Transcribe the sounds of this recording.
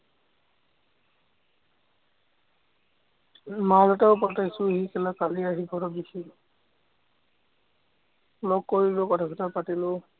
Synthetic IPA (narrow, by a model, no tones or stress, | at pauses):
malɔtaʊpɔtajsʊɦikɛlakaliaɦiɡʱɔɾɔbisi | lɔɡ̚kːoɹilʊkɔtʰapʰɔtapatilʊ